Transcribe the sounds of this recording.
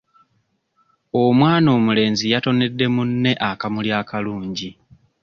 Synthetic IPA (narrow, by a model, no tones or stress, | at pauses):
o̞mwaːno̞ːmule̞ːnzijato̞ne̞dːe̞munːe̞ʔakamuljaːkaluːɲɟi